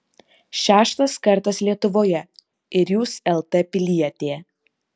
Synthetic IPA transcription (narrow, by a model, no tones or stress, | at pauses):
ʃʲæːʃt̪ɐskɐɾt̪ɐslʲiɛt̪ʊʋoːjɛ | ɪɾjuːsɛlˠt̪ɛpʲɪlʲiɛt̪ʲeː